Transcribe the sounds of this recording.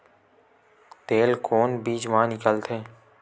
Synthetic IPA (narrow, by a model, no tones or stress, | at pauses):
t̪eːlkʰoːnbiːt͡ʃʋəɦãnɪkəlt̪ʰeː